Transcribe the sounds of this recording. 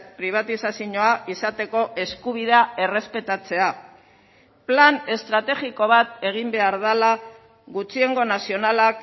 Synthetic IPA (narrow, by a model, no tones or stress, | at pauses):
pɾiβ̞at̪isasiɲo̞aʔisat̪e̞ko̞ʔe̞skuβ̞iðeae̞re̞spe̞t̪at͡se̞a | plane̞st̪ɾat̪e̞ɣiko̞β̞at̪e̞ɣ̞imbe̞aɾðala | ɣut͡ʃie̞ŋɡo̞nasio̞nalak